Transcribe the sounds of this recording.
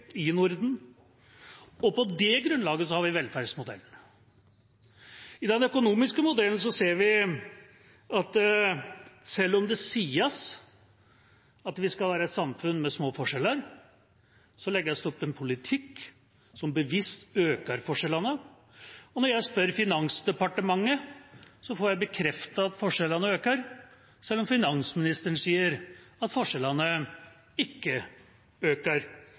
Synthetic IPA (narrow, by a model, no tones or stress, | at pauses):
ɪnʊɾd̪n̩ | ɔpʰɔd̪ɛɡɾʉnlɑːɡəsɔhɑɾʋɪʋɛlfæɖsmʊd̪ɛ̰lːn | ɪd̪ɛnœkʊnuːmɪskəmʊd̪ɛln̩s̬ɔseːɾʋɪ | ɑt̪ | sɛlːɔmd̪ɛsiːəs | ɑt̪ʋɪskɑlʋæːɾəɛt̪sɑmfʉnːmɛsmoːfɔʂɛlːəɾ | sɔlɛɡəjæɔst̪ɛɔpːɛnpʰʊlɪt̪ʰɪkː | sɔmbəʋɪst̪øːkəɾfɔʂɛlɑnə | ɔnɔɾjæɪspœɾfɪnɑnsd̪ɛpɑʈəmɑŋːəsɔfɔɾjæɪbəkʰɾɛft̪ɑɑt̪fɔʂɛlənəøːkəɾ | sɛlːɔmfɪnɑnsmɪnɪst̪əəɳsiːəɾɑt̪fɔʂɛlənə | ɪkːə | øːkəɾ